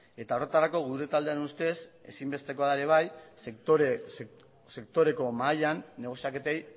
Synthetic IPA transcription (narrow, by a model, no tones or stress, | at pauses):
e̞t̪aore̞t̪aɾako̞ɣuɾe̞t̪ald̪eanust̪e̞se̞simbe̞st̪e̞ko̞aðaeɾe̞β̞aj | se̞kt̪o̞ɾe̞ko̞maʎanːe̞ɣ̞o̞siake̞t̪ej